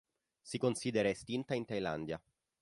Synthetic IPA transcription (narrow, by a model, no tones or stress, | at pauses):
sikonsid̪eɾaest̪int̪aint̪ajla̰nd̪ja